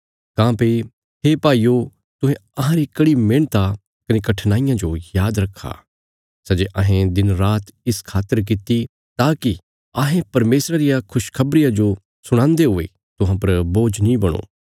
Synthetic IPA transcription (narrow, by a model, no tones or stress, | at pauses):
kãːpe | ɦeːpaːiːo | t̪ʊ̃ɦẽɐɦãɾikɐɽimẽːɽ̃t̪a | kɐnekɐʈʰnaːɪjãd͡ʒojaːd̪ɾɐkʰːa̰ː | sɐd͡ʒeʔɐɦẽd̪ɪnɾaːt̪ɪskʰaːt̪ːəɾk̬ɪt̪i | t̪aːki | aːɦẽpɐɾmeːsɾaɾɪjakʰʊʃkʰɐbɾɪjad͡ʒo | sʊɽ̃ãːnd̪eɦʊḛ | t̪ʊɦãpɐɾboːd͡ʒnĩbɐɽ̃o̰ː